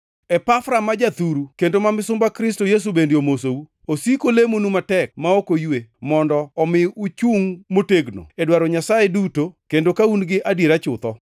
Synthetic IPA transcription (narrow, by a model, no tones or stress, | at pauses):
ɛpafɾamad͡ʒat̪uɾukendomamɪsʊmbakɾɪstojes̬ubendeomosou | osikolemonumatɛk̚maokojwemɔndɔːmɪut͡ʃuŋmoteɡno̰edwaɾɔɲasajedutokendokaunɡɪʔadjeɾat͡ʃʊt̪ɔ